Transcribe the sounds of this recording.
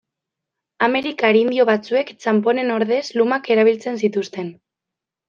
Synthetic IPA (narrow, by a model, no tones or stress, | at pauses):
ame̞ɾikaɾind̪io̞βat͡sue̞kt͡ʃampo̞ne̞no̞ɾðe̞slumake̞ɾaβ̞ilt͡se̞nsit̪ust̪e̞n